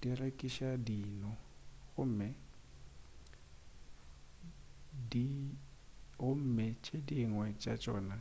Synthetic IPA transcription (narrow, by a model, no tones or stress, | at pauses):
d̥irekʼiʃadiːnɔɣʊm̩mɛ | di | ʊm̩ːmɛt͡ʃʼediŋwɛt͡ʃʼat͡ʃʼɔ̰ːna